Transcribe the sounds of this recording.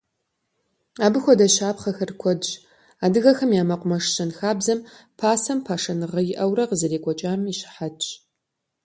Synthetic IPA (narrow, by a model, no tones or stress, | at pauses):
aːbɨxʷɔdɐɕaːpχɐxɐrkʷʰɔdt͡ʃ | aːdɨɣɐxɐmjaːmɐqʷʼʊmɐʂɕɐnxaːbzɐmpʰaːsɐmpʰaːʂɐnɨʁɐjɪʔɐwrɐqəzɐreːkʷʼɔt͡ʃʼaːmiːɕħat͡ʃʼ